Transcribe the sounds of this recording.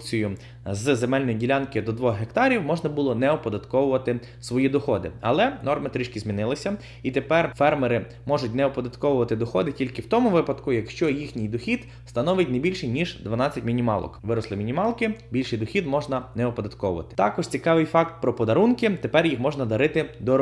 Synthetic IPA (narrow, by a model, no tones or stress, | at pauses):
t͡sʲijʊ | zzemɛlʲnɔjidʲilʲankɪd̪ɔd̪ʋɔxɦekt̪ɑɾʲiwmɔʒnɐbʊlˠɔnɛɔpɔd̪ɐt̪kɔwʊʋɐt̪ɪ | sʋɔjid̪ɔxɔd̪ɪ̰ɐ̰lˠɛnɔrmɪt̪ɾʲiʃkʲizmʲinɪlˠɪsʲɐ | it̪epɛrfɛrmeɾɪ | mɔʒʊt̚ʲnɛɔpɔd̪ɐt̪kɔwʊʋɐt̪ɪd̪ɔxɔd̪ɪtʲilʲkɪwt̪ɔmʊʋɪpɐd̪kʊjɐkʃt͡ʃɔjixnʲijd̪ɔxʲid̪ | st̪ɐnɔʋɪtʲnebʲilʲʃɪjnʲiʒd̪ʋɐnɑt͡sʲɐtʲmʲinʲimɑ̰lˠɔ̰kʋɪɾɔslˠɪmʲinʲimɑlˠkɪbʲilʲʃɪjd̪ɔxʲid̪mɔʒnɐnɛɔpɔd̪ɐt̪kɔʋʊ̰ʋɐ̰t̪ɪ̥t̪ɑkɔʒt͡sʲikɑʋɪjfɑkt̪̚pɾɔpɔd̪ɐɾunkɪt̪epɛrjixmɔʒnɐd̪ɐɾɪt̪ɪd̪ɔ